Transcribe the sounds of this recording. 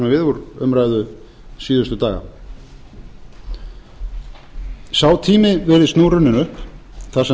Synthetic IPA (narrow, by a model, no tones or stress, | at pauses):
mavɪðvuɾʏmɾaːjðʏ | siːðʏst̪ʏt̪aːɣa̰ | saːwt̪ʰiːmɪvɛːɾɪðst̪noːwɾʏnːɪnʏhp | θasɛ